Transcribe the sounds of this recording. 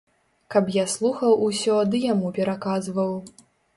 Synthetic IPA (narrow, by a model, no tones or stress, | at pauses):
kɐpjaslˠuxɐwusʲɔd̪ɨjamupʲɛɾakazvɐw